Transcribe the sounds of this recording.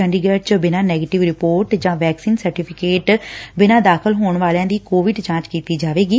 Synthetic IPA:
əɳɖiɡɛːɖt͡ʃbɪnãːnɛːɡeːʈɪʋɾɪpoːɾʈd͡ʒãːʋɛːksiːnsəɾʈɪːpʰɪkeːʈbɪnãːd̪aːkʰəlɦoːɳʋaːljãːd̪iːkoːʋɪɖt͡ʃãːt͡ʃkiːt̪iːd͡ʒaːʋeːɡiː

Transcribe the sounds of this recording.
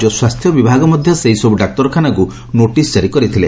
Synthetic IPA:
d͡ʒɔswast̪ʰjɔbibʱaɡɔmɔd̪ʱjɔseɦisɔbuɖak̚t̪ɔɾɔkʰanaku | noʈisd͡ʒaɾikɔɾit̪ʰile

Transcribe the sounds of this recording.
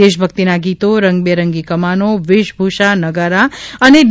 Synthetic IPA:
eʃbʱək̚t̪inaɡit̪oɾəŋɡbeɾəŋɡikəmanoʋɪʃbʱuʃanəɡəɾaəneɖ

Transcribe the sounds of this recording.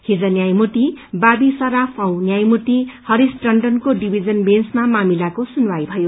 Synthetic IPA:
hid͡zʌnjajmut̪ibabisʌɾapʰaw̃njajmut̪ihʌɾisʈrʌɳɖʌnkoɖibʱid͡zʌnbensmamamilakosunwajbʱʌjo

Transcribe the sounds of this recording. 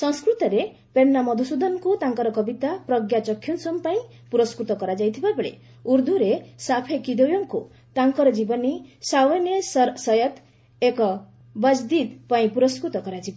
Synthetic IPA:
sʌ̃nskɾut̪ɔɾe | penːamɔd̪ʱusud̪ʱɔnkut̪aŋkɔɾɔkɔbit̪apɾʌɡjat͡ʃɔkʰjunsɔmpaĩ | puɾɔskɾut̪ɔkɔɾad͡ʒajt̪ʰibabeɭḛ | uɾd̪ʱuɾesapʰekid̪owjɔŋkṵ | t̪aŋkɔɾɔd͡ʒibɔnisawenessʌjɔt̪ | ekɔ | bʌd͡ʒd̪id̪paĩpuɾɔskɾut̪ɔkɔɾad͡ʒib

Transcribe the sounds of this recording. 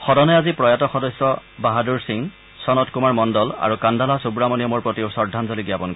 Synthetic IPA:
xɔdɔnɛjazipɹɔjatɔxɔdɔsjɔbaɦaduɹsiŋ | sɔnɔtkumaɹmɔndɔla̰ɹukandalasubɹamɔnijɔmoɹpɹotiʊsɔɹdʱːanzɔliɡjapɔnk

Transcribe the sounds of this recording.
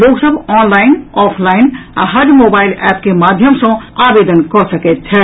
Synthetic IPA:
loɡsəbʱɔnlainɔpʰlaina̰ɦəd͡ʒmobailɛpkemad̪ʱjəmsə̃abed̪ənkɔsəkɛt̪̚t͡ʃʰɛ

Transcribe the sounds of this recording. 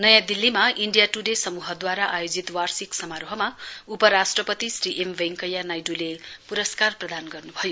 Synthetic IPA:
nʌjãd̪ilːimaʔiɳɖijaʈuɖesʌmuɦʌd̪waɾaʔajod͡zit̪warsiksʌmaɾoɦʌmaupʌɾasʈrʌpʌt̪isriʔembʱeŋkʌjːanajɖulepuɾʌskarprʌd̪anɡʌrnubʱʌjo

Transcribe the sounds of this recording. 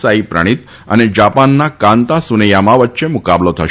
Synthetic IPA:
saipɾə̰ɽ̃it̪ | əned͡ʒapanːakãnt̪asunəjamãʋətːʃemukablot̪ʰəʃ

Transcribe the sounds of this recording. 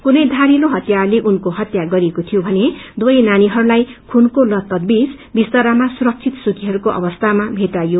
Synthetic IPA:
kunʌjd̪ʱaɾiloɦʌt̪jaleʔunkoɦʌt̪jaɡʌɾekot̪ʰijobʱʌned̪wʌjnaniɦʌɾulajkʰunkolʌt̪ːʌd̪̚bis | bist̪ʌɾamasuɾʌk̚t͡ʃʰit̪sukʰiɦʌɾukoʔʌ̰bʌst̪ʰamabʱet̪ajo

